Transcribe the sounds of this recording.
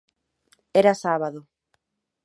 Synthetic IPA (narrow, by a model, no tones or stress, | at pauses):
eɾasaβaðo